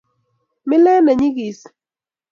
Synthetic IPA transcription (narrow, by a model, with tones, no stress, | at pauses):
mɪ˦lɛ˦na˨ɲi˦ɡi˨s